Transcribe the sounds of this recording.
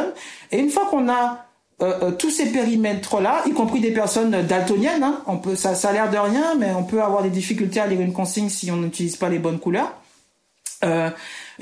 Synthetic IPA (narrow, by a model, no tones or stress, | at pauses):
neynfwakɔ̃na | øʔt̪usepeʁimɛt̪χəlaʔikɔ̃pχid̪epɛʁsɔnød̪alt̪onjɛnɛ̃ɔ̃pøsasalɛʁd̪əʁjɛ̃mɛɔ̃pøavwaʁd̪ed̪ifikʲylt̪ealeʁynkɔ̃siɲsiɔ̃nyt̪iliz̥palebɔnkulœːʁ | ø